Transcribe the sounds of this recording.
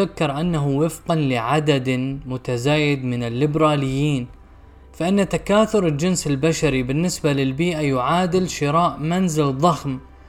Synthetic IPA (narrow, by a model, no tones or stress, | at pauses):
akːɪɾˤʔanːaɦuwɪfqɑnlɪʕad̪ad̪mʊt̪azaːjɪd̪mɪnɪlːɪbɾˤɑːlɪjːiːn | faʔɪnːat̪akaːθʊɾɪld͡ʒɪnsɪlbaʃaɾibɪnːɪsbalɪlbiːʔajʊʕaːd̪ɪlʃɪɾaːʔmanzɪlðˤɑxm